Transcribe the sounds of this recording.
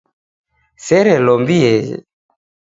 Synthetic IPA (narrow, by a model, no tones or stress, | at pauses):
sɛɾelɔmbieḛ